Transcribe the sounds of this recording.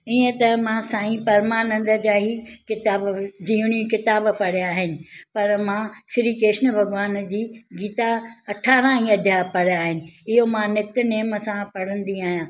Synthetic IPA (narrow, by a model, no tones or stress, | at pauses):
iə̃t̪ɐmãsãːĩpɐɾmaːnə̃nd̪ə̆d͡ʑaːɦikɪt̪aːbd͡ʑĩːʊɽ̃ijũkɪt̪aːbpɐɽjaːɦɪnɪ̆pɐɾmãsɪɾiːkeːʃnbʱɐɡʋaːnd͡ʑiːɡiːt̪aɐʈʰaːɾãɦĩɐd̪ʱjaːpɐɽ̤jaːɦɪnɪ̆ɪɦomãnɪkt̪neːməsãpɐɽə̃nd̪iaːɦijãː